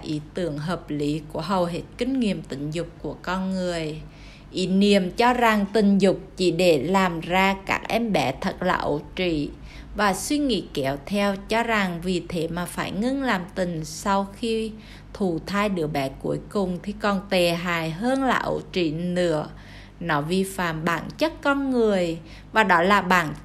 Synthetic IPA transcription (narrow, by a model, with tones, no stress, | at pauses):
ʔi˨˦t̪ɨ˧˩˨əŋɦəː˨˩p̚li˨˦ku˧˩əɦə˨˩wɦe˨˦˥t̚kï˧ŋ̟ŋi˨əmt̪ï˧˩ŋ̟zʊ˨˩k͡p̚kːu˧˩əkɔ˧nŋɨ˨˩əj | ʔi˨˦ni˧˨əmt͡ɕɔ˧za˨˩ŋt̪ï˨˩ŋ̟zʊ˨˩k͡p̚t͡ɕḭ˧˩˦ɗe˧˩laː˨˩mzaː˧ka̰ː˦˥k̚ʔɛ˧mɓɛ˧˩t̪ʰə˨˩t̚laː˨˩ʔo̰˧˩˦t͡ɕḭ˧˨ | vaː˨˩swi˧ŋḭ˧˥kɛ˨˩wt̪ʰɛ˧wt͡ɕɔ˧za˨˩ŋvi˨˩t̪ʰe˨˦maː˨˩faː˧˩jŋɨ˧ŋlaː˨˩mt̪ï˨˩ŋ̟sa˧wxi˧ | t̪ʰu˧˩t̪ʰaː˧jɗɨ˨˦əɓɛ˨˦kṵ˨˧˦əjkʊ˨˩ŋ͡mt̪ʰi˨˩kɔ˨˩nt̪e˨˩ɦaː˨˩jɦəː˧nlaː˨˩ʔo̰˧˩˦t͡ɕḭ˧˨nɨ̰˧˥ə | nɔ˨˦vi˧˩fa̰ː˧˨mɓa̰ː˧˩nt͡ɕə˦˥t̚kɔ˧nŋɨ˨˩əj | vaː˨˩ɗɔ˨˦laː˨˩ɓaː˨˩˦n